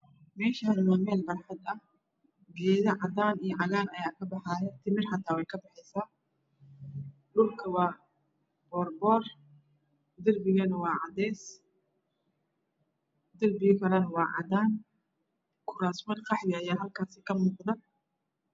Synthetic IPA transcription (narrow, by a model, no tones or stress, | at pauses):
mɛːʃɐɦɐnmaːmɛːlbɐrħɑd̪ɐh | ɡɛːðɐʕɑðaːnijɔʕɑɣaːnɐjaːkʰɐbɑħaːjɛt̪ʰɪmɪrħɑt̪ʰaːwɛjkʰɐbɑħɛsaː | ɗʊlkʰɐwɑː | bɔːrbɔːr | d̪ɐrbɪɣɐnɐwɑːʕɑd̪ɛːs | d̪ɐlbɪjkʰɐlɐnɐwɑːʕɑ̰d̪aːn | kʰʊɾaːsmɐrqʰɑħjaːjaːɦɐlkʰaːsɪkʰɐmuːqd̪ɐ